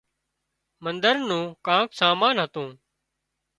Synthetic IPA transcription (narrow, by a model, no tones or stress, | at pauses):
mənd̪əɾnũːkãːksaːmaːnɦət̪ũː